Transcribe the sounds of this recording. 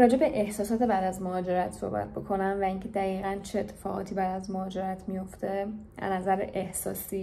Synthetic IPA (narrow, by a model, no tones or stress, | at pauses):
ɾɒːd͡ʒe̞be̞ʔehsɒːsɒːt̪ʰe̞bæːd̪æzmoɦɒːd͡ʒe̞ɾæt̪ʰso̞̰hbæ̰t̪̚ʰbokʰo̞næmvæiŋcʰe̞d̪æɣiːɣænt͡ʃʰeet̪ʰːe̥fɒːɣɒ̰ːt̪ʰiːbæːd̪æzmohɒːd͡ʒe̞ɾæt̪ʰmijo̞ft̪ʰe̞æ̰næzæɾḛʔehsɒ̰ːsiː